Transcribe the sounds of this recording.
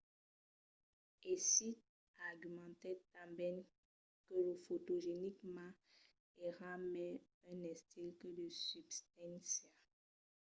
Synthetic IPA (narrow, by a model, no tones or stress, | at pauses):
esit̪̚ | aʁɡymɑ̃t̪ɛt̪ãbɛn | kələfot̪oʒenikmɑ̃ | eʁamɛ̃ | ɛ̃nɛ̃st̪ilkədəsybst̪ɛ̃nsa